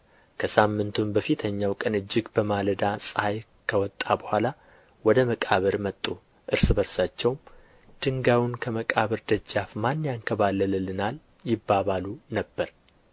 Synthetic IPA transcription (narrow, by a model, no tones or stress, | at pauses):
kʰəsamːɨnt̪ʰumbəfit̪ʰəɲːawkʼənɨd͡ʒːɪɡbəmaləd̪asʼɨhaj | kʰəwɔt̪ʼːabəhʷala | wɔd̪əməkʼaβəɾmət̪ʼːu | ʔɨɾsɨbəɾsat͡ʃːɛwm | d̪̥ɨŋɡawʊnkʰəməkʼaβəɾd̪əd͡ʒːafmanːjankʰəβalːəlɨlɨnal | jɪbːaβalunəbːəɾ